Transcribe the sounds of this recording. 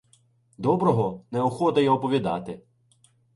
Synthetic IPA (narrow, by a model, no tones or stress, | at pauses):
d̪ɔbɾɔɦɔnɛɔxɔt̪ɐjɛɔpɔʋʲid̪ɑ̰t̪ɪ